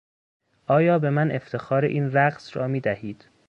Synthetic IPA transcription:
ʔɒːjɒːbe̞mænʔe̞ft̪ʰe̞xɒːɾeʔiːnɾæɢsɾɒːmiːd̪æhiːd̪̥

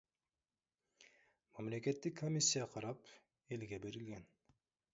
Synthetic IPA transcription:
mamleke̞t̪ːɪkʰːomʲisʲːijɑqʰɑɾɑp | e̞lɡʲebe̞ɾilɡʲen

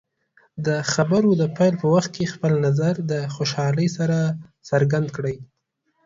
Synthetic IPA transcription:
d̪əxabaɾod̪əpajlpəwaxt̪̚kʰexpəlnazaɾd̪əxoʃɑləjsaɾasəɾɡand̪̚kɽəj

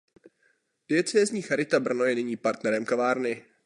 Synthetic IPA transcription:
pɪɛt͡sɛːzɲiːxaɾɪt̪abr̩nojɛnɪɲiːpaɾt̪nɛɾɛmkavaːɾnɪ

